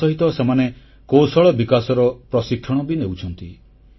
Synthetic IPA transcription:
ɔɦit̪ɔsemane | kosɔɭɔbikasɔɾɔpɾɔsikʰːɔɽ̃ɔbinewt͡ʃʰɔnt̪i

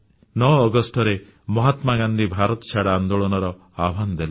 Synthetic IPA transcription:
nɔːɡɔsʈɔɾe | mɔɦat̪maɡand̪ʱibʱaɾɔt̪ɔ̥t͡ʃʰaɽaːnd̪oɭɔnɔɾɔ | abʱand̪el

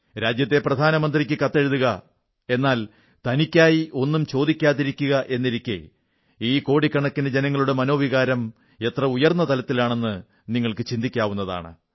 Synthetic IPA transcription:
ɾaːd͡ʑjɐt̪̬ːe̞prɐd̪ʱaːnɐmɐnd̪rik̬ʲːɨkɐt̪ːeɻuðuɣɐ | e̞nːaːl | t̪ɐnikʲːaːjiʔo̞nːumt͡ɕo̞ːd̪ikʲːaːðiɾikʲːuɣɐʔe̞nːiɾikʲːḛ | iːko̞ːɽikːɐɳɐkːinded͡ʑe̞nɐŋːɐɭuɽemɐno̞ːʋiɣaːɾɐm | e̞t̪rɐujɐrnːɐt̪ɐlɐt̪ːilaːɳe̞nːɨ | niŋːɐɭkɨt͡ɕind̪ʱikʲːaːʋunːɐða̰ːɳɨ̰

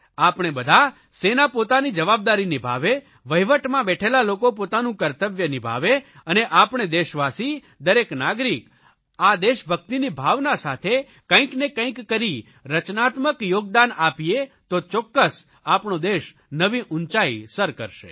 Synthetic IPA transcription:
apɳ̃ebəd̪ʱa | senapot̪anid͡ʒəʋab̚d̪aɾinibʱa̰ʋe | ʋəjʋəʈmãbɛʈʰelalokop̬ot̪anũkəɾt̪əʋjənibʱa̰ʋeəneʔapɳ̃ed̪eʃʋasi | d̪əɾeknaɡɾik | ad̪eʃbʱək̚t̪inibʱaʋnasat̪ʰe | kə̃ĩknekə̃ĩkːəɾi | ɾət͡ʃnat̪məkjoɡ̚d̪anapiet̪ot͡ʃɔkːəs | apɳod̪eʃ | nəʋiʔʊnt͡ʃaisəɾkə̰ɾʃḛ

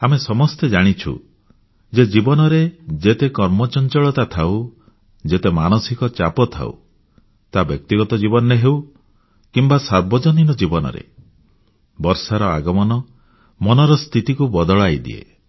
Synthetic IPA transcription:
amesɔmɔst̪ed͡ʒaɽ̃it͡ʃʰṵ | d͡ʒed͡ʒibɔnɔɾed͡ʒet̪ekɔɾmɔt͡ʃɔnt͡ʃɔɭɔt̪at̪ʰaw | d͡ʒet̪emañɔsikɔt͡ʃapɔt̪ʰa̰ṵ | t̪abjɔk̚t̪iɡɔt̪ɔd͡ʒibɔnɔneɦew | kimbasaɾbɔd͡ʒɔninɔd͡ʒibɔnɔ̰ɾḛ | bɔɾsaɾɔaɡɔmɔnɔ | mɔnɔɾɔst̪ʰit̪ikubɔd̪ɔɭajd̪ḭḛ

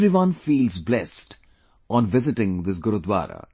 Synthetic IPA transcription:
ɾiʋʌ̃nfiːlzblɛsʈ | ɔ̃nʋɪzɪʈɪ̃ŋd̪ɪs̬ɡʊɾʊd̪wa̰ːɾə̰

